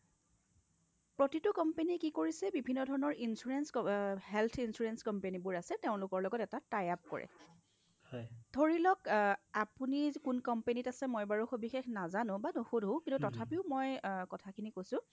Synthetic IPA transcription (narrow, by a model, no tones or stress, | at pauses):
pɹotitʊkɔmpenikikoɹisɛbibʱinːɔdʱɔɹɔnɔɹʔinsuɹenshɛlt̪ʰinsuɹenskɔmpenibʊɹasɛteʊ̃lʊkɔɹlɔɡɔtɛtatajap̚kɔ̰ɹʔɛ̰ | hɔjdʱoɹilɔkapunikunkɔmpenitasɛmojbaɹuxobixexnazanʊ̃banoxudɦõkintutɔtʰapiʊmɔjkɔtʰakʰinikojsʊ̃